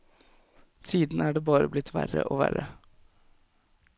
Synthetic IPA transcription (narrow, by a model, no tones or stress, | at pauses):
siːd̪n̩æːɖeːbɑːɾəblɪt̪ʰːʋæɾə̰ʔoːʋæɾə